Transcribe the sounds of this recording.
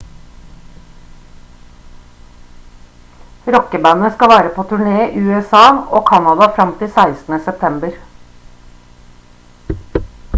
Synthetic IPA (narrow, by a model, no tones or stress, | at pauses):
ɾɔkəbænəskɑʋæːɾəpʰoːt̪ʰʉɳeːʔʉːɛsɑːoːkʰɑnɑd̪ɑfɾɑmt̪ʰɪlsæɪsn̩əsɛp̚t̪ʰɛmbəɾ